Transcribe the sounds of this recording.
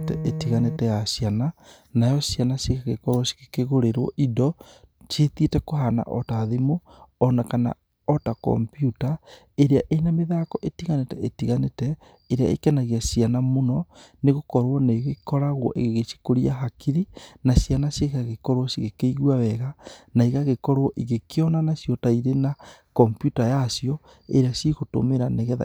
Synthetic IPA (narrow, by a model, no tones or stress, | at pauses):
tɛetiɣanetɛjaʃiana | najɔʃianasiɣaɣekɔɾwɔsi̥ɣekeɣoɾeɾwɔ̰ʔidɔt͡ʃeθietɛkoɦana̰ʔɔtaðemoː | nakana̰ | ɔtakɔ̰mpjuta | eɾeaʔeinameðaːkɔʔetiɣanetɛetiɣanetɛ | eɾea̰ḛkɛnaɣiasianamonɔneɣokɔɾwɔneɣekɔɾaɣwɔ̰ʔḛɣeɣet͡ʃi̥koɾiaɦakiɾinasijanasjeɣaɣekɔɾwɔsiɣekeiɣwawɛɣanaiɣaɣekɔɾwɔʔiɣekeɔnanasijɔtaiɾenakɔmpjutajasiɔ | eɾeasiɣoto̰meɾaneɣɛa̰